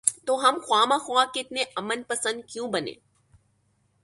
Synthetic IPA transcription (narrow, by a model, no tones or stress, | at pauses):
t̪oɦɐmxwaːmaxwaːkeɪt̪neɐmənpɐsə̃nd̪̚kjũbɐnḛː